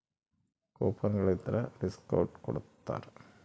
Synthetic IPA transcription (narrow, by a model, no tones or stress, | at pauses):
koːpːɐŋɡɐɭet̪ːɐɾɐɾiskɐ̰wʈkoɽut̪ːa̰ːr